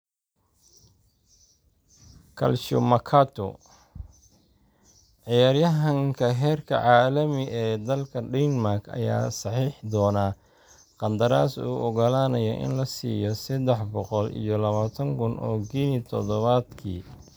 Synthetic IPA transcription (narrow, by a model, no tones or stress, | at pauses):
kʰɐ̰lʃʊ̰mɐkʰaːt̪ʰɔ̰ | ʕɪjaːrjɐɦɐŋkʰɐɦɛːrkʰɐ̰ʕɑːlɐmɪɛːd̪ɐlkʰɐɖɛnmarkʰɐ̰ja̰ːsɑħiːħd̪ɔːnaː | qɑnd̪ɐɾaːsṵːʔɔɣɐlaːnɐjɔʔɪ̰nlɐsḭːjɔsɐd̪ɛħbɔqɔlḭjɔlɐβaːt̪ʰɐŋkʰʊnʔɔ̰ːɡinit̪ʰɔd̪ɔβaːd̪kʰḭː